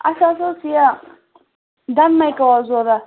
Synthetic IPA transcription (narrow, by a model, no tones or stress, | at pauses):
ʔa̰sas̬osija | danmajkawazoɾa